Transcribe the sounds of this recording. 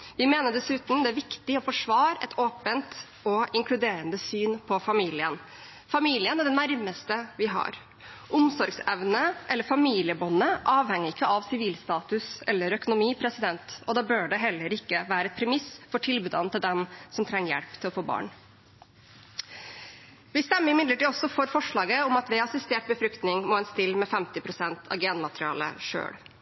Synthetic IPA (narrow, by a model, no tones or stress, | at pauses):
ʋɪmeːnəɖɛsʉːt̪n̩d̪ɛæɾʋɪkt̪ɪɔfɔʂʋɑːɾɛ̰t̪ʰoːpənt̪ | ɔɪŋkʰlʉd̪eːɾənd̪əsyːnpʰɔfɑmiːlɪən | fɑmiːlɪənæɖɛnːæɾməst̪əʋɪɦɑ̰ɾ | ʔʊmsɔɾɡsɛʋnəʔɛlːəɾfɑmiːlɪəbɔnəʔɑːʋhɛŋːəɾɪkːəɑʋsɪʋiːlst̪ɑːt̪ʉsɛlːəɾœkʊnʊmiːpʰɾɛsɪd̪ɛnt̪ɔd̪ɑːbøːɖɛɦɛlːəɾɪkːəʋæːɾəɛt̪̚pʰɾɛmɪsfɔʈʰɪlbʉd̪ɑ̰n̩t̪ɪld̪ɛmsɔmt̪ʰɾɛŋːəɾjɛ̰ɽpt̪ʰɪlɔfoːbɑ̰ːɳ | ʋɪst̪ɛmːəɾɪmɪd̪ləʈiːɔsːɔfɔɾfɔʂɭɑːɡəɔmɑt̪ʋɛɑsɪst̪eːʈ̚bəfɾʏkt̪nɪŋmɔːhɛnst̪ɪlmɛfɛmt̪ɪpʰɾʊsɛnt̪ʰɑ̰ʋɡeːnmɑt̪ɾɪɑ̰ːlə̰ʂø̰ːɽ